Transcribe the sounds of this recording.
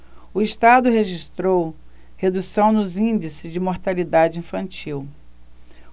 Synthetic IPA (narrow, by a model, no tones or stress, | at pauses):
ʊiʃt̪ad̪ʊɦeʒist̪ɾow | hed̪usɐ̃w̃nʊzĩd͡ʒisɪzd͡ʒɪmoɾt̪alid̪ad͡ʒɪĩfɐ̃nt͡ʃiw